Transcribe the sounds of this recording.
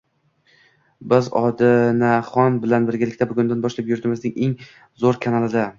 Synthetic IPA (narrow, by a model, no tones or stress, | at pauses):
bɪzɒd̪ɪnaχɒnbɪlanbɪɾɡʲɪlɪkʲt̪abʊɡʲʊnd̪anbɒʃlapjʊɾt̪ʰɪmɪznɪŋe̞ŋ | zoɾkʰanalˠɪd̪a